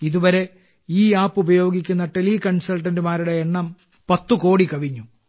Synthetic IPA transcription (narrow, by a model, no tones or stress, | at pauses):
iðuʋɐɾe̞ | iːjaːpːubɐjo̞ːɡikʲːunːɐʈelikɐɳsɐlʈɐndumaːɾuɽe̞eɳːɐm | pɐt̪ːuko̞ːɽikɐʋiɲːu